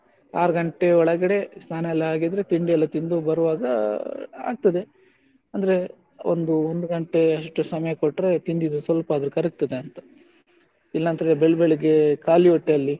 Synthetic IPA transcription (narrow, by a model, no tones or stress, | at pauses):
aːɾɐɡɐɳʈe̞ɔɭɐɡɐɽe̞st̪ʰaːnɐɛlːɐaːɡid̪ɐɾet̪iɳɖiɛlːɐt̪ind̪ubɐɾʋaːɡɐ | a̰ːɡ̚t̪ɐd̪e̞ | ɐnd̪ɐɾe̞ | o̰nd̪uond̪uɡɐɳʈe̞ɐʂʈːusɐmɐjɐkoʈːɾe̞t̪ind̪id̪usʋɐlɐpaːd̪ɐɾukɐɾik̚t̪ɐd̪e̞ɐnt̪ɐ | ilːɐnt̪ɐɾebeɭbeɭiɡe̞kaːlioʈːeɐlːi